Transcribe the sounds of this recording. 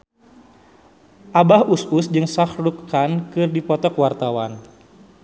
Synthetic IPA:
ʔabahususd͡ʒɨŋsaxɾukːankɨrdipɔt̪ɔkwart̪awan

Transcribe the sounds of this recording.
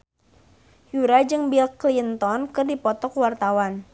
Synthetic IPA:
juɾad͡ʒɨŋbilklint̪ɔnkɨrdipɔt̪ɔkwart̪awan

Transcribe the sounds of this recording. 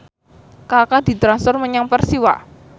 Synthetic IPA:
kakad̪̥i̤t̪ɾansɔrməɲaŋpərsiwa̰

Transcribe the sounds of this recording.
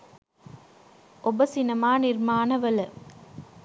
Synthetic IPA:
ʔobɐsinɐmaːniɾmaːnɐʋɐlɐ

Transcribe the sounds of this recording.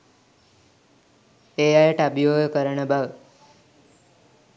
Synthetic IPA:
ejajəʈabijoːɡəkəɾəɳəbaʋ

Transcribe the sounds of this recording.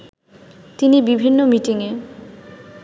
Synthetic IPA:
t̪inibibʱinːomiʈiŋe

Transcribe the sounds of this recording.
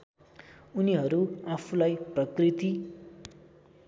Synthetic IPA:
uniɦʌɾuapʰulajprʌkrit̪i

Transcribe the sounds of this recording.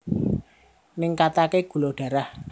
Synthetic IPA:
nɪŋkat̪akeɡ̥ṳloɖ̥ä̤ɾah

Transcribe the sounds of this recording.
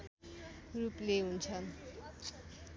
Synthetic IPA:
rupleɦunt͡sʰʌn

